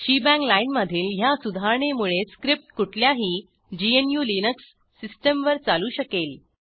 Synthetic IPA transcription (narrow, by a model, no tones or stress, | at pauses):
ɕibæ̃ŋklainməd̪ʱiːlɦjasud̪ʱaɾɳemuɭeskɾip̚ʈkuʈʰljaɦiː | d͡ʑienjuːlinəksː | isʈəmʋəɾt͡saluːɕəkel